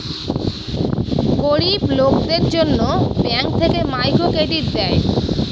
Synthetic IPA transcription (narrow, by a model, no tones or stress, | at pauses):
ɡoɾiblokd̪eɾd͡ʑonːobɛŋk̚t̪ʰekemajkokeɖit̪d̪ɛe